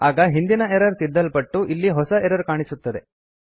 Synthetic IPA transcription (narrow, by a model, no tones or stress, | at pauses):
aːɡɐɦind̪inɐɛɾɐɾsid̪ːɐlpɐʈːuʔilːiɦɔsɐeɾɐɾkaːɳisut̪ːɐd̪e̞